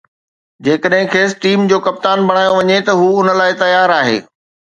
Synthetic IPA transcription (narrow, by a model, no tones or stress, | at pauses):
d͡ʑeːkəɗɦɪ̃kʰeːsʈiːmd͡ʑoːkɐp̚t̪aːnbʱɐɽ̃aːjoʋɐɲet̪ɐɦuːʊnə̆laːɪt̪ɐjaːɾaːɦḛː